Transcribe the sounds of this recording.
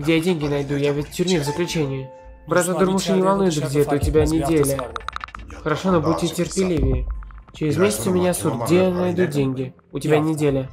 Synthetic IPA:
ɡdʲejadʲeŋʲɡʲɪnajd̪ujavʲɪtʲtʲːʏrʲmʲevzəklʲʉt͡ɕenʲɪjʊ | bɾat̪ad̪ɨrmuʂɨnʲɪvalˠnujɪd̪əɡdʲet̪əʊtʲɪbʲanʲɪdʲelʲə | xəɾaʂonəbuːɪtʲɪrpʲɪlʲivʲɪɪt͡ɕɪɾʲɪzmʲesʲɪt̪sɨmʲɪnʲasut̪ɡdʲejanajd̪udʲeŋʲɡʲɪ | ʊtʲɪbʲanʲɪdʲelʲə

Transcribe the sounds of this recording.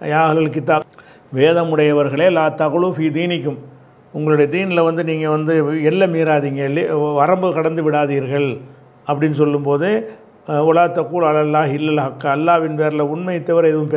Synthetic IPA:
jaːɦɐlɐlk̬ːɪt̪ːaː | ʋeːðɐmʊɽɐjɐʋɐɾɣɐɭeːlaːt̪ɐɣɐɭɯfiːd̪iːnɪkːɯm | ʊŋɡɐɭɯɽɐjɐd̪iːnlɐʋɐnd̪ɯniːŋɡɐʋɐnd̪ɯɛlːɐmiːɾaːðiːŋɡɐlʋɐɾɐmbɯkɐɽɐnd̪ɯʋɪɽaːðiːɾɣɐɭ | ɐpːɐɽɪnːɯsɔlːɯmpoːðɯ | ʊlɐɣɐt̪ːɐkːuːlɐlɐlːaːɦɪlːɐlɦɐkːɐːlːaːʋɪnpeːɾlɐʊɳmɐjɪt̪ːɐʋɐɾɛðɯʋɯmpː

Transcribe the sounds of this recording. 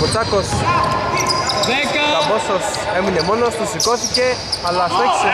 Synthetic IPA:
ut̪akos | kabososemunemonost̪usikoθiceɐlasoçi̥se

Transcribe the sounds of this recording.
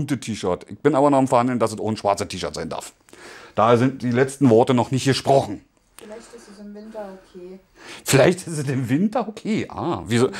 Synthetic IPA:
ntətʰiːʃœɐtɪ̰çb̥ɪnʔaːbɐnuːɐχamfɛɐhandlən̩dasɛsʔoːnəʃv̥aɐt͡sətʰiːʃœɐtz̥aɪnda̰ɐf | d̥aːheːɐzɪnt̚d̥iːlɛt͡stn̩vɔɐtənɔχnɪçtɡ̥əʃpʁ̥ɔχn̩ | sʰ | fɪlaɪçtɪstɛsɪmvɪntɐokʰeːʔa̰ːviːzo

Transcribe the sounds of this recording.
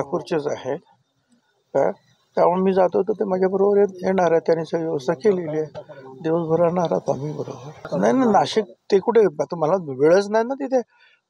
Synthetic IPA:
akʰuɾt͡ɕet͡sa̰ɦe | ka̰ | k̪aʋəɳmiːd͡zat̪ot̪ət̪emaɡʱjabəɾobəɾet̪̚ɦeɽ̃aɾat̪janisəɡiʋəsakelelied̪iʋəsbʱəɾaɳ̃aɾa̰t̪a̰miːbəɾo̰bəɾnajnajnaɕik̚t̪ekuʈʰeat̪əməlaʋeɭət͡snajnat̪it̪ʰe

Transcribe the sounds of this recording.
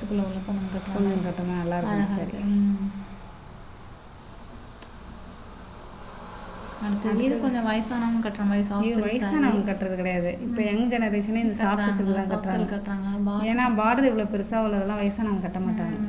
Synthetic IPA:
sklɐʋɐlɐpːɐnɐɐkɐʈːkɔɲd͡ʒɐ̃ŋkɐʈːɐmẽːnɐlːaːɪɾkk̪ːsɐɾḭ | ɐɽɯt̪ːɐiːðɯkɔɲd͡ʒɐ̃ʋɐjɐsaːnamɐ̃kɐʈːɾɐmʋɐjsaːiʋɐjɐsaːnamɐkɐʈːɾɐðɯkɪɽɐjaːðɯʔɪpːoːɛŋɡɐd͡ʒɛnɐɾeːʂɐnːeːɪnd̪ɐsaːɐssɪkːt̪ãːkɐʈːɾaːŋɡɐɐʈːɾaːɡɐbaeːnːaːbaːɽɐɾɪʋɐɭopɛɾɯsaːʋɐlːɐðɛlãːʋɐjɐsaːnaːmɡkɐʈːɐmaːʈːaːŋɡɐ

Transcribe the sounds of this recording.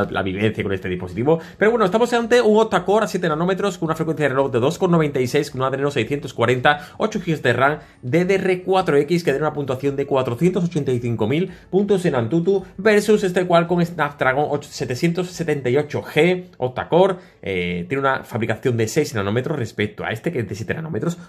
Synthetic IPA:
la̰βiβẽ̞n̟θjako̞ne̞st̪e̞ðispo̞sit̪iβo̞pe̞ɾowe̞noest̪amoseant̪euŋot̪ːako̞ɾasje̞t̪enano̞met̪ɾo̞skounafɾekwenθjaðreod̪e̞ðo̞sko̞nːo̞β̞e̞nt̪aise̞jsknaðeenosejsθje̞nt̪o̞skwaɾe̞nt̪ao̞t͡ʃuxiozd̪e̞raŋ | d̪e̞ðere̞kwat̪ɾoe̞kiske̞ðenunapunt̪waθjo̞nd̪e̞kwat̪ɾoθjet̪o̞s̬ot͡ʃe̞nt̪ajθiŋko̞milpunt̪ose̞ŋãnt̪ut̪ube̞ɾsuse̞st̪ekwalko̞ŋesnaft̪ɾaɣ̞o̞ŋʔose̞t̪eθjent̪osːe̞t̪e̞nt̪aio̞t͡ʃoxe̞ot̪ːa̰ko̞ɾ̰ | t̪jeneunafaβɾikaθjo̞nd̪ese̞jsnanõ̞met̪ɾosre̞spek̚t̪oa̰e̞st̪eked̪sje̞t̪ena̰nomet̪ɾos

